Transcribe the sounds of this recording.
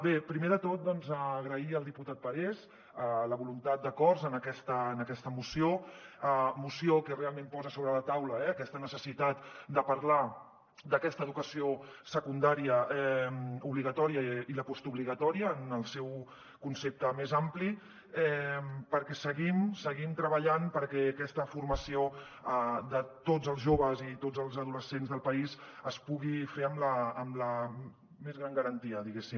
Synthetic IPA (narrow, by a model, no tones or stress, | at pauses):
bepɾimeðət̪ot̪̚d̪ɔnzəːɣɾəiəlˠd̪iput̪at̪̚pəɾɛz | ələβulunt̪at̪̚d̪əkɔrzənəkɛst̪əːnəkɛst̪əmusioəmusiokərealˠmẽmpɔzəsoβɾələt̪awləɛəkɛst̪ənəsəsit̪at̪d̪əpɐɾla | d̪əkɛst̪əːðukəsiosəkund̪aɾiəɛmuβliɣət̪ɔɾiəiləpɔst̪uβliɣət̪ɔɾiəːnəlˠsɛw | kunsep̚t̪əmezampli | ɛpəɾkɛsəɣimsəɣimt̪ɾəβəʎanpəɾkɛːkɛst̪əfurməsio | əd̪ət̪od͡zəlˠzʒoβ̞əzit̪od͡zəlˠzəðuləsenzðəlˠpɐizəspuɣifeəmləːmlə | mezɣɾaŋɡəɾənt̪iəðiɣesim